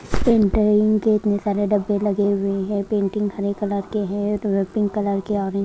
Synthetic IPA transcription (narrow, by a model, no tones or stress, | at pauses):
pẽːɳʈɪ̃ŋɡkeɪt̪nesaːɾeɖɐbːelɐɡeɦʊeɦɛ̃pẽːɳʈɪ̃ŋɡhɐɾekɐləɾkeɦɛ̃ʋeːpɪ̃ŋɡkɐləɾkeɔːɾe